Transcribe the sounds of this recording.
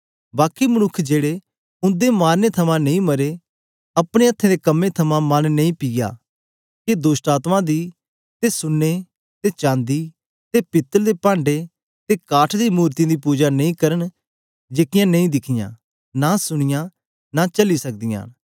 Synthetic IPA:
baːkimɐnʊkʰːd͡ʒeːɽe | ʊ̃nd̪emaːɾnet̪ʰɐmãnɐĩmɐɾe | ɐpɽ̃eɐt̪ʰːẽd̪ekɐmːet̪ʰɐmãmannɐ̃ĩpɪja̰ː | ked̪oːsʈaːt̪mãd̪i | t̪esʊnːe | t̪et͡ʃãːnd̪i | t̪epɪt̪ːəld̪epãːɳɖe | t̪ekaːʈʰd̪imuːɾt̪ĩd̪ipuːd͡ʒanɐ̃ĩkɐɾəɳ̃ | d͡ʒeːkɪjãnɐ̃ĩd̪ɪkʰɪjã̰ː | nasʊɽ̃ɪjã | nat͡ʃɐlisɐk̚d̪ɪjã̰ː

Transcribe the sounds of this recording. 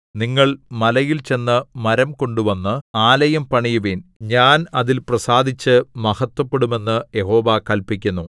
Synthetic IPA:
niŋːɐɭmɐlɐjilt͡ɕe̞nːɨmɐɾɐmko̞ɳɖuʋɐnːɨaːlɐjɐmpɐɳijuʋinɲaːnɐðilprɐsaːd̪ʱit͡ɕːɨmɐhɐt̪wɐpːeɽume̞nːɨje̞ho̞ːʋɐkɐlpikʲːunːu

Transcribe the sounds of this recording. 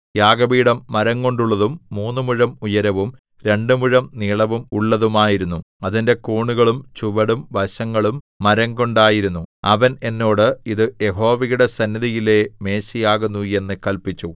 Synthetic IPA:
jaːɡɐbiːɽɐmːɐɾɐŋko̞ɳɖuɭːɐðumːuːnːumuɻɐmujɐɾɐʋum | ɾe̞ɳɖɨmuɻɐmniːɭɐʋumuɭːɐðumaːjiɾunːu | ɐðinde̞kuːɳuɣɐɭumt͡ɕuʋɐɽumʋɐɕɐŋːɐɭumːɐɾɐŋko̞ɳɖaːjiɾunːuɐʋɐne̞nːo̞ːɽɨiðɨje̞ɦo̞ːʋɐjuɽe̞sɐnːiðɐjile̞me̞ːɕijaːɣunːuje̞nːɨkɐlpit͡ɕːu

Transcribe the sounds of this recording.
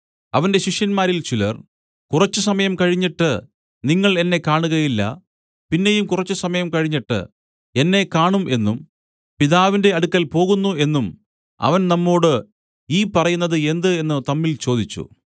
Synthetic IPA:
ɐʋɐnde̞ɕiʂjɐnmaːɾilt͡ɕilɐ̰r | kurɐt͡ɕːɨsɐmɐjɐmkɐɻiɲːiʈːɨ | niŋːɐɭe̞nːe̞kaːɳuɣɐjilːɐ̰ | pinːe̞jumkurɐt͡ɕːusɐmɐjɐmkɐɻiɲːiʈːɨ̰ | e̞nːe̞kaːɳumʔe̞nːum | piðaːʋinde̞ɐɽukːɐlpo̞ːɣunːue̞nːum | ɐ̰ʋɐnnɐmːo̞ːɽɨ | iːpɐrɐjunːɐðɨe̞nd̪ɨe̞nːɨt̪ɐmːilt͡ɕo̞ːd̪it͡ɕːṵ

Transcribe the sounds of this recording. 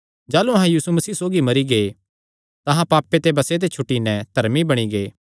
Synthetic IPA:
d͡ʒaːluɐɦãjiːsumɐsiːsoːɡimɐɾiɡe | t̪ɐɦãpaːpːet̪ebɐset̪̬et͡ʃʰʊʈːinɛ̃d̪ʱɐɾmibɐɽ̃iɡeː

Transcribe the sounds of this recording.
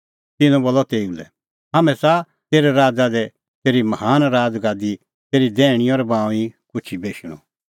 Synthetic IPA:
t̪ɪnũboːlɔt̪eːulɛ̰ | ɦaːmɛ̃sa | t̪eːɾɛɾaːd͡zad̪ɛ | t̪eːɾimɐhaːnɾaːd͡zɡaːd̪i | t̪eːɾid̪ɛːɽ̃ĩɔːɾɛbãːũĩkʊt͡ʃʰibeːʃɽ̃ɔ̰

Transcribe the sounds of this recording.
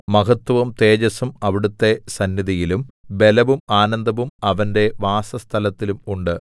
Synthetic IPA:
mɐɣɐt̪ːʋɐmt̪e̞ːd͡ʑɐsumɐʋiɽut̪ːe̞sɐnːjiðijilumbe̞lɐʋumaːnɐnd̪ʱɐʋumɐʋɐnde̞ʋaːsɐst̪ʰɐlɐt̪ːilumuɳɖɨ

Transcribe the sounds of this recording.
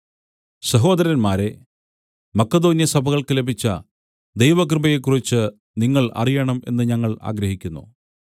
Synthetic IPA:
sɐɦo̞ːd̪ɐɾɐnmaːɾe̞ | mɐkːɐd̪o̞ːnjɐsɐbʱɐɣɐɭkɨlebit͡ɕːɐ | d̪e̞jʋɐkrɨbɐjekːurit͡ɕːɨ | niŋːɐɭɐ̰rijɐɳɐme̞̰nːɨɲɐŋːɐɭa̰ːɡɾɐɦikʲːunːṵ

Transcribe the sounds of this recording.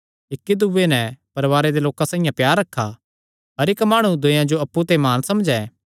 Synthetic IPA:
ɪkːid̪uʋːenɛpɐɾʋaːɾed̪eloːkãsãːɪ̃jãpjaːɾːɐkʰːa | ɐɾɪkmaːɽ̃ũd̪ʊ̃jãd͡ʒoɐpːut̪emaːnsɐmd͡ʒɛː

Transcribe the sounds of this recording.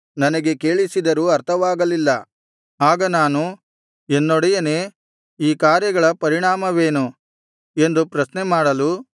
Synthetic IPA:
nɐnɐɡe̞ke̞ːɭisid̪ɐɾuːɐɾt̪ʰɐʋaːɡɐlilːɐ | aːɡɐnaːnu | enːoɽɛjɐneː | iːkaːɾjɐɡɐɭɐpɐɾiɳaːmɐʋe̞ːnu | e̞nd̪upɾɐsnemaːɽɐlu

